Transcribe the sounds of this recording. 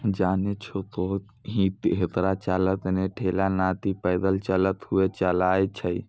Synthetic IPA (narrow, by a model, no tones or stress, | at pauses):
d͡ʒaːnet͡ʃʰot̪o | ɦĩt̪ɦet̪ɾat͡ʃalət̪neʈʰelanat̪ipəɪd̪əlt͡ʃələt̪ɦuet͡ʃəlajt͡ʃʰəj